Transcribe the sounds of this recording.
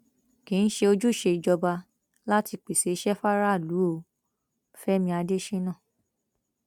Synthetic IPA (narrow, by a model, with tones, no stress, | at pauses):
kĩ˨˦n̩˦ʃe˧o˧d͡ʒu˦˨ʃe˧i˧d͡ʒɔ˧ba˧ | la˦ti˧k͡pi˨se˨i˦ʃɛ˦fa˦ɾa˦˨lu˨˦o˧ | fɛ˦mĩ˧a˧de˦ʃe˦nãː˦˨